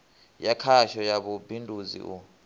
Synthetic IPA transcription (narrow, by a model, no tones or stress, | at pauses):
jakʰaʃɔjaɓubʱindʱuzḭʔṵ